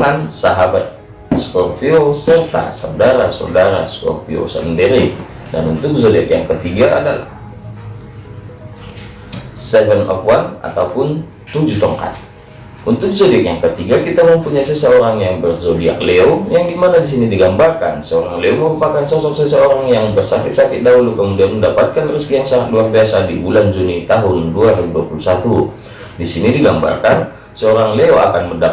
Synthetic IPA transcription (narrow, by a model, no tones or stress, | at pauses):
ŋansaɦabat̪̚ | skɔrpiosərt̪a̰sawdaɾasa̰daɾa̰skɔ̰rpio̰sa̰ləndeɾi | da̰nunt̪ʊk̚zodiakjaŋkət̪iɡa̰ːdala̰h | sɛvənɔ̰fwana̰t̪aupʊn | t̪ud͡ʒut̪ɔŋka̰t̪̚ | unt̪ʊk̚zodiakjaŋkət̪iɡakit̪aməmpuɲajsəsəoɾaŋjaŋbərzodia̰k̚leojaŋɡimanadis̬inidiɡambarka̰nsəoɾaŋleoməɾupakansɔsɔk̚səsəoɾaŋjaŋbərsakɪt̪̚sakɪt̪̚daɦulukəmudianməndapat̪̚kanriskijaŋsaŋat̪̚luarbiasadibuland͡ʒunit̪aɦʊnduaɾimduapulusat̪u | disinidiɡamba̰rkan | səoɾaŋleoa̰kanmənda